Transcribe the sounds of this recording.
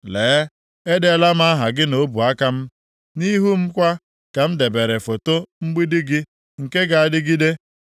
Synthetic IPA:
leː˨˦ | e˦da˦˨la˦m̩˦a˦ɦa˨ɡɪ˦no˦bu˨a˦ka˦m̩˦ | ni˦ɦu˦m̩˦kʷa˦ | ka˨m̩˦de˨be˨ɾe˨fo˨to˦ŋ͡m̩˦ɡ͡bi˦dɪ˦ɡɪ˦ | ŋ̩˨ke˦ɡa˨a˨dɪ˦ɡi˦de˦

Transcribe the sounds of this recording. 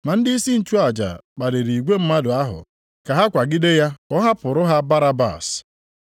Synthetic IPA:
ma˨n̩˦dɪ˦i˦si˦n̩˨t͡ʃu˦a˨d͡ʒa̰˨k͡pa˨ɾe˨ɾi˨ɡʷe˦m̩˦ma˦dʊ˨a˦ɦʊ̰˨ | ka˨ɦa˦kʷa˨ɡɪ˦de˦ja˦ɔ˦ɦa˦pʊ˨ɾʊ˦ɦa˦ba˦ɾa˦ba̰˨s

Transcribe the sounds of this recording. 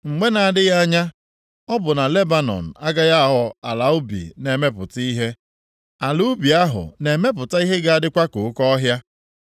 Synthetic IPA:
ŋ͡m̩˨ɡ͡be˦na˨a˨dɪ˦ɣa˦ɲa˦ | ɔ˦bʊ˨na˨le˦ba˨nɔ̰˨n̩˨a˦ɡa˦ɣa˦a˨ɦɔ˨a˨la˨ʊ˦bḭ˨ne˨me˦pʊ˨ti˦ɦe˦ | a˨lu˦bi˨a˦ɦʊ̰˨ne˨me˦p̬ʊ˨ta˦i˦ɦe˦ɡa˦a˦dɪ˦kʷa˦kʊ˨˦kɔ˦ɦja˦

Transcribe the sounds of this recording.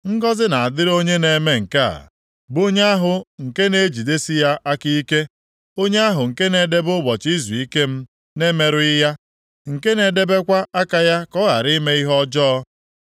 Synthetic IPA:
ŋ̩˦ɡɔ˦zɪ˦na˨a˨dɪ˦ɾo˦ɲe˦ne˨me˦ŋ̩˨ka˦a̰˨ | bʊ˦ɲe˦a˦ɦʊ˨ŋ̩˨ke˦ne˦d͡ʒi˨de˦si˦ja˦ʔa˦ki˦i˦ke˦ | o˦ɲe˦a˦ɦʊ˨ŋ̩˨ke˦ne˨de˦bʊ˦bɔ˨t͡ʃi˦zu˨i˦ke˦m̩˦ | ne˦me˨ɾʊ˦ɪ˦ja˦ | ŋ̩˨ke˦ne˨de˦be˦kʷa˦ʔa˦ka˦ja˦kɔ˦ɣa̰˨ɾi˦me˦i˦ɦɔ˦d͡ʒɔ˦

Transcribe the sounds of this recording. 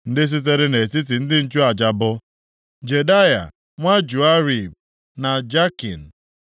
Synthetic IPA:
n̩˦dɪ˦s̬i˦t̬e˦ɾɪ˦ne˨ti˦t̬i˨n̩˦dɪ˦n̩˦˨t͡ʃu˦a˨d͡ʒa˨bʊ˦ | d͡ʒe˨da˦ja̰˨ | ŋʷa˦d͡ʒu˨a˦ɾi˨b̚ | na˨d͡ʒa˦ki˨n̩˨

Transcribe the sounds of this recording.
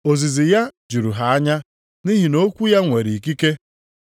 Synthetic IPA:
o˨zi˨zi˨ja˦d͡ʒu˨ɾu˨ɦa˨a˦ɲa˦ | ni˦ɦi˨no˦kʷu˦ja˦ŋʷe˨ɾi˨i˨k̬i˦ke˦

